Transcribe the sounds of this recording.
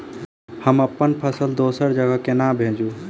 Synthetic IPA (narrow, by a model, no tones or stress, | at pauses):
həməpːənpʰəsəld̪oːsəɾd͡ʒəɡəɦkenãbʱẽːd͡ʒũ